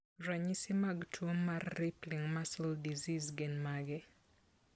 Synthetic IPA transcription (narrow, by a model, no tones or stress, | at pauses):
ɾaɲisɪmaɡtʰomːarːɪplɪŋmasɔldizizɡenmaɡɪ